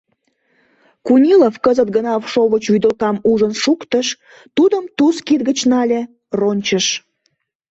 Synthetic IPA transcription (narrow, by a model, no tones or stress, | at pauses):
kunʲilofkəzət̪ɡənɑfʃoβət͡ɕβyd̪əlkɑmuʒənʃukt̪əʃ | t̪ud̪əmt̪uskid̪̚ɡət͡ɕnɑlʲe | ronʲt͡ɕəʃ